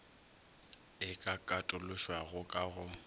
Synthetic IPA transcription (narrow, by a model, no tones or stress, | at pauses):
ɪkʼakʼatʼʊlʊʃwaɣʊkʼaɣʊ